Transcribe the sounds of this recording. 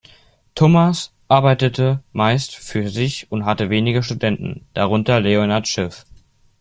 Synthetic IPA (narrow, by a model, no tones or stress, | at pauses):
tʰoːmas | ʔaɐbaɪtətʰəmaɪstfyːɐzɪçʊntɦatəveːnɪɡəʃtudɛntn̩d̥aʁ̞ʊntɐleonaɐtʃɛf